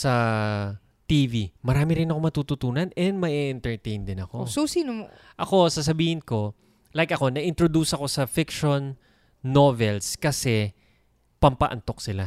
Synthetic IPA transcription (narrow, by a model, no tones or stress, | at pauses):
sɐ | t̪iːvimɐɾaːmɪɾɪnɐko̞mɐt̪uːt̪ʊt̪uːnɐnɛnd̪̚mɐʔɛʔɛnt̪ɛɹt̪ɛjnd̪ɪnɐko̞sosiːnomo | ʔɐko̞sɐs̬ɐbiːhɪnko̞ | lajkʔɐko̞nɐʔɪnt̪ɾod̪uːsɐko̞sɐfɪkʃonː | o̞vɛlskɐsɛ | pɐmpɐʔɐ̰nt̪o̞k̚sɪla